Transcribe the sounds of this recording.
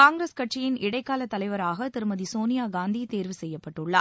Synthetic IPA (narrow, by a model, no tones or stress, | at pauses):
kaːŋɡɾeːskɐʈt͡ʃɪjɪnɪɽɐɪkːaːlɐt̪ːɐlɐɪʋɐɾaːɣɐt̪ɪɾɯmɐðisoːnɪjaːɡaːnd̪it̪eːɾʋɯsɛjːɐpːɐʈːɯɭːɐ